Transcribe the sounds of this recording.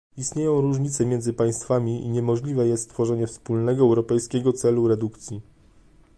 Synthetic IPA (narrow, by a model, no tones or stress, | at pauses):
ist̪ɲejɔ̃w̃ɾuʐɲit̪sɛmʲjɛnd̪zɘpaj̃st̪famʲiḭɲɛmɔʐlʲivɛjɛst̪t̪fɔʐɛɲɛfspulnɛɡɔɛwɾɔpɛjskʲeɡɔt̪sɛluɾɛd̪ukt̪sʲji